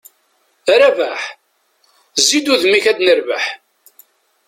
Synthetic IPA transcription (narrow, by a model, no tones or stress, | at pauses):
ɾævaħ | zːid̪uðmiçæd̪nəɾva̰ħ